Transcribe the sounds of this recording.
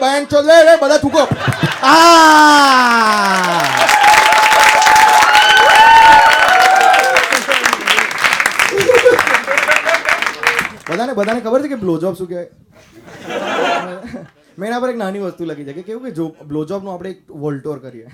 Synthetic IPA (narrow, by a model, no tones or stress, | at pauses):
bəjãnt͡ʃod̪eʋebəd̪ʱãt̪ʰũkoa | bəd̪ʱanebəd̪ʱanekʰəbəɾt͡ʃʰekeblod͡ʒɔpsũkjae | mɛ̃enãpəɾeknaniʋəst̪ulaɡid͡ʒajkekeɦũked͡ʒoblod͡ʒɔp̚nũapɽ̃eːk̚ʋəlʈoɾkəɾie